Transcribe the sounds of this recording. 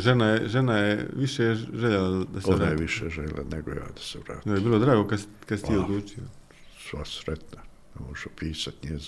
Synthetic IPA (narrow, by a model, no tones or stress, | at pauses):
ʒenajeʒenajeʋiʃeʒeʎelad̪asoeɾaaːjeʋiʃeʒeʎḛla̰neɡoja̰ːd̪ḁseʋɾa̰ːt̪jojebiːlo̞d̪ɾaːɡo̞kad̪skad̪sit̪iolˠuːt͡ʃio | sʋasɾet̪na | nemoʒupʰiːsat̪ɲezi